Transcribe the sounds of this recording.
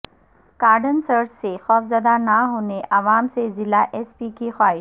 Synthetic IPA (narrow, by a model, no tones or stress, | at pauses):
kaːɾɖənsəɾd͡ʒsexɔːfzɐd̪anaɦoːneʔɐʋaːmsezɪlaʔɛːspikixwaːɪʃ